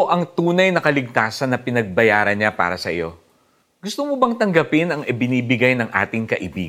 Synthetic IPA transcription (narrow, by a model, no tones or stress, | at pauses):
ʔɐŋt̪uːnɐjnɐkɐlɪɡ̚t̪aːsɐnːɐpɪnɐɡ̚bɐjaːɾɐnɲapa̰ːɾɐsɐʔjo̞̰ | ɡ̥ʊst̪omobɐŋt̪ɐŋɡɐpɪnɐŋɪbɪniːbɪɡajnɐŋʔa̰ːt̪ɪŋkɐʔɪbḭːɡ